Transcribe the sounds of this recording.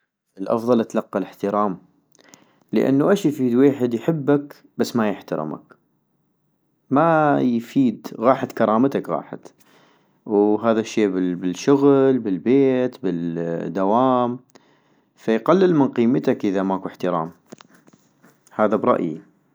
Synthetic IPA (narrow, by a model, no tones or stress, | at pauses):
ʔɪlʔɑ̰fðˤɑlʔat̪lɑqːɑlɪħt̪ɪɾˤɑːm | lə̰ʔa̰nːuʔaʃjfiːd̪weːħɪd̪jħɪbːak | basːmajɪħt̪ɑ̰ɾɪ̰ma̰k | majfiːd̪ɣɑːħat̪kɑɾˤɑːmt̪akɣɑ̰ːħa̰t̪ | wɦaːðaʃːeːbɪbɪlʃʊɣlbɪlbeːt̪bɪld̪awaːm | fajqalːɪlmɪnqiːmːɪt̪akʔɪðamaːkuħt̪ɪɾˤɑ̰ːm | haːðabɾˤɑ̰ʔjḭ